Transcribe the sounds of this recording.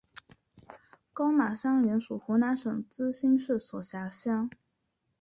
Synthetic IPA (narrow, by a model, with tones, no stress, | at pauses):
kɑ˥ʊma˨˩ɕɑ˥ŋɥɛ˧˥nʂu˨˩xu˧˥na˧˥nʂɤ˨˩ŋt͡sɹ̩˥ɕi˥nʂɻ̩˥˩swɔ˨˩ɕja˧˥ɕjɑ˥ŋ